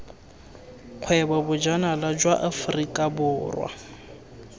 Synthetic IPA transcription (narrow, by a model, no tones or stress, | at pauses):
q͡χʰwɛbabʊd͡ʒanalad͡ʒwaʔafrikʼabʊːrwa̰